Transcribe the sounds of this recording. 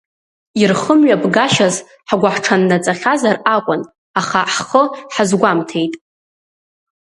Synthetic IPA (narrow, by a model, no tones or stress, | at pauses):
irχəmɥabɡaʃaz | ħɡʷaħʈ͡ʂʰanːat͡sʼaχʲazarakʷʼʊn | aχaħχəħazɡʷamtʰe̞jtʼ